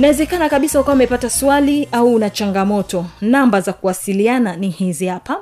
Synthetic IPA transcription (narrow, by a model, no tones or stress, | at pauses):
nawɛzɛkanakaɓisaukawaamɛpataswaliauːnat͡ʃaŋɡamɔtɔnambazakuwasiliananihizihapa